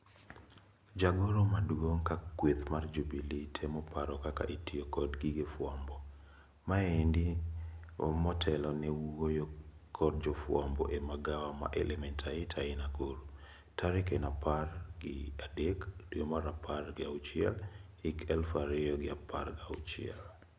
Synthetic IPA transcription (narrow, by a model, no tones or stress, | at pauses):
d͡ʒaɡɔɾɔmadwoŋkakːwet̪mard͡ʒubilitʰemɔpʰaɾɔkaka̰ʔitʰiokɔdɡiɡefwambɔ | maendi | mɔtʰɛlɔnɛwojo | kʰɔd̚d͡ʒɔfwambɔ̰ʔemaɡawama̰ʔɛlʔɛmɛntʰaɪtʰaɪnakoɾu | taɾɪkɛnaparɡɪadekdwemaɾapʰarɡɪaʊt͡ʃɪɛ̰lhɪkʰɛlfaɾɪjɔɡɪaparɡaʊt͡ʃɪɛ̰l